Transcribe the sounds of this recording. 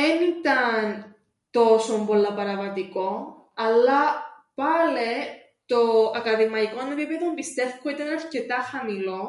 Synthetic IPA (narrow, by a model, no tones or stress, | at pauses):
enit̪ɐn | t̪o̞sombo̞lːɐpɐɾɐvɐt̪iko̞ | ɐlːɐ | pɐle | t̪o̞ɐkɐðimɐikoɐnepipeðombist̪e̞fkoit̪ɐnɐɾce̞t̪ɐxɐmilo̞